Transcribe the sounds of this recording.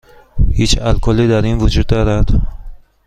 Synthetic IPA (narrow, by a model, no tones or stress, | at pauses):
hit͡ʃalkʰɔlid̪aɾinvud͡ʒud̪̚ːɔɾad̪̥